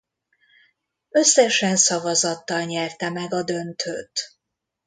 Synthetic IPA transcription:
ø̞sːɛʃɛnsɒvɒzɒt̪ːɒlɲɛrt̪ɛmɛɡɒd̪ø̞nt̪ʰøːt̪

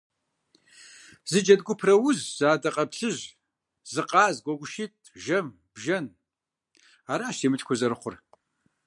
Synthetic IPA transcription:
zɨd͡ʒɐdɡʷʊpʰrɐwʊzz̥aːdɐqʼɐpɬɨʒ | zɨqʼɑːzɡʷɔɡʷʊʃit̚ʰʒɐm | b̥ʒɐn | aːɾaːʃeːmɨtʰkʷʰʊzɐɾɨχʷʊr

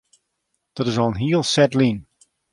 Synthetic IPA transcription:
d̥ɔtɪzɔnɦiəlˠsɛtlin

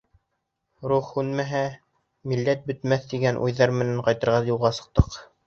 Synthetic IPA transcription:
ɾuχhʉnmæɦæ | milːæt̪̚bɵ̆t̪mæθt̪iɡænʔṵjðɑɾmɘ̆næɴqɑjt̪ɤ̆ɾʁɑjulˠʁɑsɤ̥̆q̚t̪ɤq

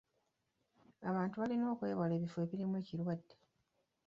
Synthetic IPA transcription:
aβaːntuβalino̞ːkwe̞ːβale̞ːβife̞ːβiɾimwe̞ːciɾwadːe

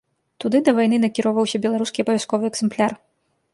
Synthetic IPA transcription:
t̪ud̪ɨd̪ɐvajnɨnɐkʲiɾɔvɐwsʲɐbʲɛlˠaɾuskʲiɐpɐvʲaskɔvɨɛɡzɛmplʲar

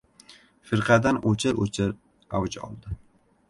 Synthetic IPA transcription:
fɪɾqʰɑd̪anot͡ʃʰɪɾot͡ʃʰɪɾ | awd͡ʒɒ̰lˠd̪ɪ

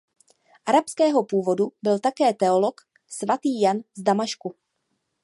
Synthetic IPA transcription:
ʔaɾapskɛːɦo̞puːvo̞dubɪlt̪akɛːt̪ɛo̞lo̞k | svat̪iːjanzdamaʃku

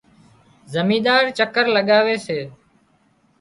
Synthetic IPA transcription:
zəmĩːd̪aːɾt͡ʃəkəɾləɠaːʋeːseː

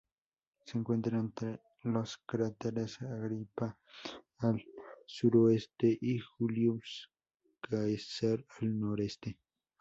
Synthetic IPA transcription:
seŋkwent̪ɾaent̪ɾe | loskɾat̪eɾesaɣɾipa | alsuɾoest̪eʔixuljus | kaesaɾalnoɾest̪e

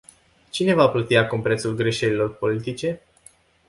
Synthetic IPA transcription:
t͡ʃine̞vaplot̪iakumpɾe̞t̪sulɡɾe̞ʃe̞lilo̞rpo̞lit̪it͡ʃe̞

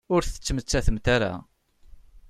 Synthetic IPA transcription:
ʊɾθə̥t͡sːəmət͡sːæθəmt̪aɾa̰

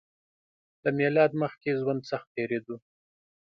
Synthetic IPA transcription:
ləmelɑd̪məxkezwand̪saxt̪̚teɾed̪u

